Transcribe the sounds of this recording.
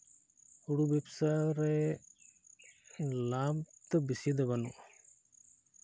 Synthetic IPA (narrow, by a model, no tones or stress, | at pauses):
uɽubɛbsaɾɛ | lamt̪əbisid̪ɛbanuʔ